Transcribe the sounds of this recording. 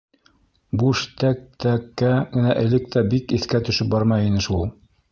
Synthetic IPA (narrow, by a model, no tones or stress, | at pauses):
buʃt̪æk̚t̪ækːæɡɘ̆næʔɘ̆lɘk̚t̪æbikiθkæt̪ɵ̆ʃɘp̚bɑɾmɑjinɘʃulˠ